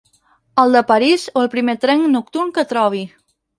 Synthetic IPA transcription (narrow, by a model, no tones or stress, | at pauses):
əlˠd̪əpəɾizoəlˠpɾimet̪ɾɛŋnuk̚t̪urŋkət̪ɾɔβ̞i